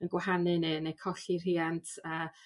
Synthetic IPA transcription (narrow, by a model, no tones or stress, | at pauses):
ənɡwahanɨnɨnekʰɔɬir̥iːantʰəː